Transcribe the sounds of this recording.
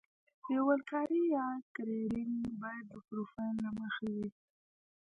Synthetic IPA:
jawəlkɑɾijɑkaɾeɾinbɑjad̪̚ːəpɾofajnlaməxawi

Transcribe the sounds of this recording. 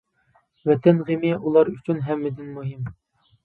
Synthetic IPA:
vɛt̪ʰɛnʁemɪulˠɑɾyt͡ʃʰynɦɛmːɪd̪ɪnmuɦɪm

